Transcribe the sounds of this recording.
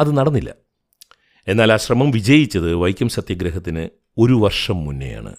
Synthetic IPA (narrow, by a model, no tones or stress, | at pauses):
ɐðɨnɐɽɐnːilːɐ̰ | e̞nːaːlaːɕrɐmɐmʋid͡ʑɐjit͡ɕːɐðɨʋɐjkʲːjɐmɕɐt̪jɐɡɾɐɦɐt̪ːinɨ | o̞ɾuʋɐrʂɐmːunːḛja̰ːɳɨ̰